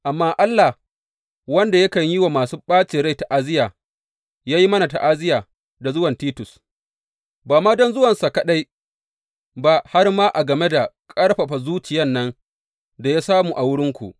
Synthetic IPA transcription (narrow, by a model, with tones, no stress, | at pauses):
ʔa˨mːaː˦ʔa˦lːa˨h | wɐ˦nda˨jɐ˦kɐ˨ɲji˦wa˨maː˨suː˦ɓaː˦t͡ʃeː˨ɾa˦jta˨ʔa˦zɪ˦jaː˨ | jaː˦ji˦mɐ˦na˨ta˨ʔa˦zɪ˦jaː˨ | da˨zʊ˦wɐ˨ntiː˦tʊ˨s | baː˨maː˦dɔ˦nzʊ˦wɐ˨nsa˨ka˨ɗa˦j | ba˦ha˦rmaː˦ʔa˨ɡɐ˨me˦da˨kʼɐ˦ɽɸa˨ɸa˨zuː˦t͡ʃɪ˨jɐ˦nːɐ˦n | da˨ja˦saː˦muː˨ʔa˨wʊ˦ɽɪ˦ŋkʷṵ˨ʔ